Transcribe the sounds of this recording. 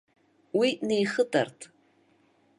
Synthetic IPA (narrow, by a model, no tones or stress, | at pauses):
winejχədʼa̰rtʰʼ